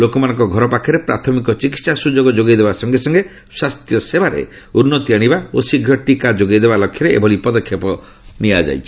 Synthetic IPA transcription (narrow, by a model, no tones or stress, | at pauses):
lokɔmanɔ̃ŋkɔɡʱɔɾɔpakʰːɔɾepɾat̪ʰɔmikɔt͡ʃikit̪sasud͡ʒoɡɔd͡ʒoɡijd̪ebasɔŋɡesɔŋɡe | swast̪jɔsebaɾḛ | unːɔt̪iaɽ̃ibao̰siɡʱjɔʈikad͡ʒoɡad̪ebalɔkʰjɔɾeḛbʱɔlipɔd̪ɔkʰjepɔ | niad͡ʒa̰jt͡ʃʰi